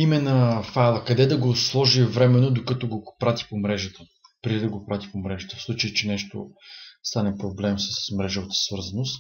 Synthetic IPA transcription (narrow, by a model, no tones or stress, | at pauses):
imɛnəfalˠəkɐd̪ɛd̪ɐɡoslˠɔʒivɾɛmɛnod̪okət̪oɡopɾat̪i̥pomɾɛʒət̪ə | pɾʲid̪id̪ɐɡopɾat̪i̥pomɾɛʒət̪əfslˠut͡ʃəjət͡ʃɛnɛʃt̪o̰st̪anɛpɾoblɛmsə̥smɾɛʒovət̪ə̥svɤɾzɐnost̪